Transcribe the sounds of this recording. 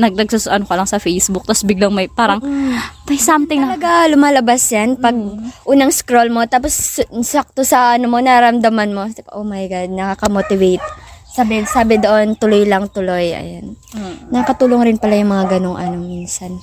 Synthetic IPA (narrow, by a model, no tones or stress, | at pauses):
nɐɡ̚nɐɡ̚susʔɐnokɐlɐŋsɐfɛjsbʊk̚t̪ɐsbɪɡloŋmɐjpaːɾɐŋmɐjsamt̪ɪŋɐɐɡalʊmaːlɐbasjanpɐɡ̚ʔuːnɐŋskɾolmo̞t̪aːpo̞ssak̚t̪osɐʔɐnomo̞naɾɐmd̪ɐmanmo̞sʔomɐjɡad̪̚nɐkakɐmot̪ɪvejt̪̚sabɪsaːbɪd̪o̞ʔo̞nt̪ʊlojlɐŋt̪ʊlo̞jʔɐ̰jonːɐkɐt̪uːloŋɾɪnpɐlajʊŋmɐŋaɡɐno̞ŋʔɐ̰no̞miːnsɐn